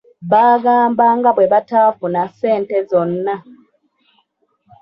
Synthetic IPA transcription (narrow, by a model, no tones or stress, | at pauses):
βaːɡaːmbaːŋɡaβweβataːfunase̞ːntezo̞nːa